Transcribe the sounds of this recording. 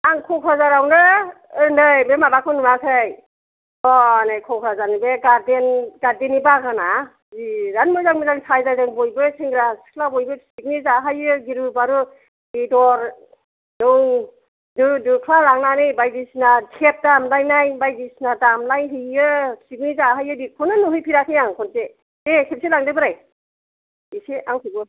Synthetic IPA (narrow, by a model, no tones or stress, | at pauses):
aŋkʰɔkʰazaɾawnɯ | ɯndɯjbemabakʰɯnuɾasʰaj | ɔnɯjkʰɔkʰɾazanibeɡadenɡadenibaɡana | ziɾanmɯzaŋmɯzaŋsajzajzaŋbɔjbɯsɯŋɡɾasi̥kʰlabɔjbɯsik̚nizaɦajɯɡiɾɯbaɾɯ | bidɔɾ | dɔŋ | dɯdɯkʰlalaŋnanɯjbajdisnatʰep̚damlajnajbajdisnadamlajɦɯjɯsik̚nizaɦajɯdikʰɔnɯnuɦɯjpʰiɾakʰɯjaŋkʰɔnse | ekʰep̚selaŋdɯbɯɾaj | iseaŋkʰiɡɯ